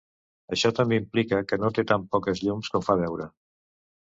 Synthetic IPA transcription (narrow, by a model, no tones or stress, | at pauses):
əʃɔt̪əmbeimplikəkənot̪et̪ampɔkəzʎumskɔɱfaβ̞ɛwɾə